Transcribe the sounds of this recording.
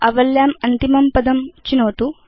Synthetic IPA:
ɐʋɐljaːmɐnt̪imɐmpɐd̪ɐmt͡ʃinoːt̪u

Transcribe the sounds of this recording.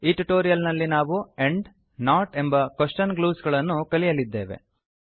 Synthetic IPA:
iːʈuʈoːɾijɐlnɐlːinaːʋueɳɖ | naːʈe̞mbɐkɐʂʈɐnɡluːsɡɐɭɐnːukɐlijɐlid̪ːeːʋḛ

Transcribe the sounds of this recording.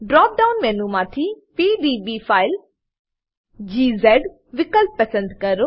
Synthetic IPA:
ɖɾɔːp̚ɖaːʊnmɛ̃ːnũmãːt̪ʰipiːɖiːbiːpʰaːɪl | d͡ʒiːzɛɖ | ʋɪkəlp̚ːɐsə̃nd̪kɐɾo

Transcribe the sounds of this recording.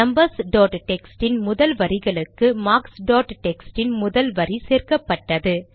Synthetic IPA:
nɐmbɐɾsɖoːʈʈɛksʈɪnmʊðɐlʋɐɾɪɣɐɭɯkːɯmaːksɖoːʈʈɛksʈɪnmʊðɐlʋɐɾiseːrkɐpːɐʈːɐðɯ

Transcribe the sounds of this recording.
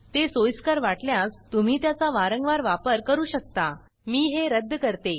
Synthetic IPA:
t̪esojskaɾʋaʈljãst̪um̤iːt̪jat͡saʋaɾəŋɡʋaɾʋapəɾkəɾuːɕək̚t̪a | miːɦeɾəd̪ʱːəkəɾt̪e

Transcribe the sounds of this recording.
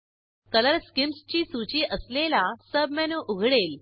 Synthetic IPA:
kələɾskimst͡ɕiːsut͡ɕiːʔəslelasəb̚mɛnũːʔuɡʱɽel

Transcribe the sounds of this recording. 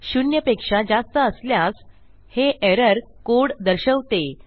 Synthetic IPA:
ɕunjəpekʂad͡zast̪əːsljas | heʔeɾəɾkoɽd̪əɾɕəʋt̪e

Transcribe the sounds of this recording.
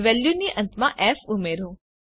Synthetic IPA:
ʋɛljuniʔɐ̃nt̪mãʔɛfumeːɾɦũː

